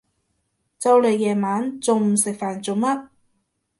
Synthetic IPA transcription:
t͡sɐ˧wle˨˧jjɛː˨maː˨˥nt͡sʊ˨˧ŋm˨sɪ˨k̚faː˨˩nt͡sʊ˨ŋmɐ˥t̚

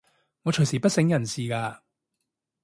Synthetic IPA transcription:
ŋɔː˨˧t͡ʃʰɵ˨˩siː˨˩pɐ˥t̚sɪ˨˥ŋjɐ˨˩nsiː˨kaː˧

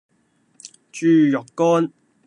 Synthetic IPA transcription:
t͡ʃyː˧jɔ˨kːɔː˥n

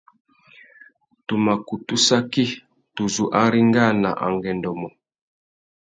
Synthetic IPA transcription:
tu˨ma˨ku˨tu˦sa˦ki˦ | tu˨zu˨ʔa˦ɾi˦ŋɡa˦˨na˨ʔa̰˨ŋɡɛ˨ndɔ˨mɔ˨

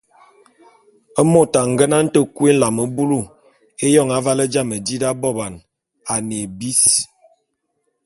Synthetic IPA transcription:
ə˦mo˦ta˨ŋ˨ɡə˦na˦n̩˦tə˦˨kwe˦n̩˦la˨mə˨bu˦lu˦˨ | e˦jɔ˦˨ŋa˨˦va˦lə˦d͡ʒa˦˨mə˨d͡ʒi˦da˦bɔ˦ba˨n | a˨ne˨bi˦s

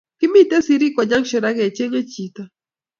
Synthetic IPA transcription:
ki˦mi˦t̪e˦si˨˦ɾi˦kwa˨ɲa˦ŋʃɔ˨ɾa˦ɣe˨t͡ʃe˦ŋe˦t͡ʃi˨t̪a˨

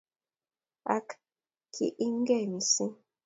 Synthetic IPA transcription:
a̰˦k | kʰḭ˨ʔi˦ŋ˦ɡɛ˦˨mi˨sĩ˦

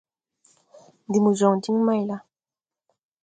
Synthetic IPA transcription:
ndi˨mu˨zɔ˨ŋ˨ti˦mi˦ma˦i˨la˦

